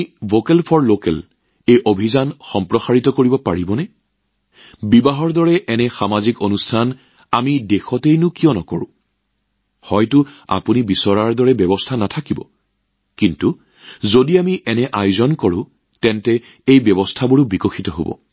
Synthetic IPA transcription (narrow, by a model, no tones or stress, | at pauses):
vokɛlpʰɔɹlokɛ̰l | ejʔobʱizanxɔmpɹɔxaɹitɔkoɹibɔpaɹibɔnɛ | bibaɦɔɹdɔɹɛʔɛnɛxamazikonustʰan | amidexɔtejnʊkijɔnɔkoɹʊ̰̃ | hɔjtʊa̰punibisɔɹaɹdɔɹɛbjɔbɔstʰanatʰakibɔ̰ | kintu | zodiamiʔɛnɛʔajuzɔnkɔɹʊ̰̃ | tɛntɛ | ejbɛbɔstʰabuɹʊbikɔxitɔɦo̰bɔ̰